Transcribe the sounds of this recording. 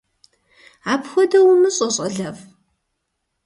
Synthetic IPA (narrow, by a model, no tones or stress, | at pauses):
aːpxʷɔdɐwʊmɨɕʼɐɕʼɐɮɐv